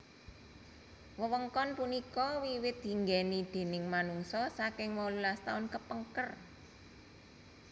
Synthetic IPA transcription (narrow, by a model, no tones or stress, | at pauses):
wəwəŋkɔnpunikɔwiwɪt̪̚d̪i̤ŋɡɛnid̪̥e̤nɪŋmanuŋsɔsakɪŋwɔlulast̪aʊnkəpəŋkər